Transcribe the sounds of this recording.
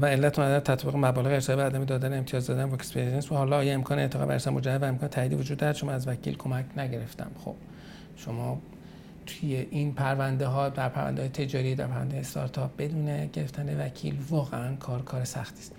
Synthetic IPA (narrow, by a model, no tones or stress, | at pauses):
væe̞lːæt̪onæd̪ænt̪ʰæt̪ʰbiɣemæbɒːle̞ɣeesɒːebeɒːd̪æmed̪ɒːd̪æneemt̪ijɒːzd̪ɒːd̪ænvɒkspeɾensbæhɒːlɒːjeemkʰɒːneḛːt̪ʰeɣɒ̰bæ̰ḛɾsɒːmod͡ʒæævæemkɒːnet̪ʰæiːd̪ivod͡ʒuːd̪ːɒɾæd̪ʃo̞mɒːæzvæcʰḭlkʰo̞mæcʰnæɟe̞ɾe̞ft̪æ̰mxo̰b̥ | ʃo̞mɒː | t̪ʰujeʔinpʰæɾvænd̪eɦɒːd̪æɾpʰæɾvæ̰nd̪ːjet̪ʰe̞d͡ʒɒːɾiːd̪æ̰ɾpʰæɾvænd̪eːjːest̪ʰɒ̰ɾt̪ʰɒp̚b̥e̞d̪uːneɟeɾe̞ft̪ʰænevæcʰḭːlvɒːɣeænkʰɒːɾkʰɒːɾesæxt̪ʰiːst̪